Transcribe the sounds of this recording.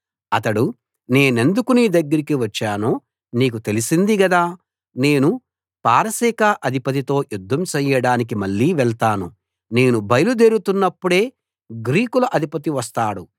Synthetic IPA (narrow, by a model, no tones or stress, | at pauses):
ɐt̪ɐɽu | ne̞ːne̞nd̪ukunid̪ɐɡːɐɾikiʋɐt͡ʃːaːnoː | niːk̬ut̪e̞lisind̪iɡɐd̪aː | ne̞ːnu | paːɾɐsiːkaːʔɐd̪ʱipɐt̪̬it̪o̞ːjud̪ʱːɐmt͡ʃɛjːɐɽaːnik̬imɐɭːiːʋɛɭt̪aːnṵ | ne̞ːnubʱɐjɐlud̪e̞ːɾut̪unːɐpːuɽe̞ː | ɡɾiːkulɐʔɐd̪ʱipɐt̪̬iʋɐst̪aːɽu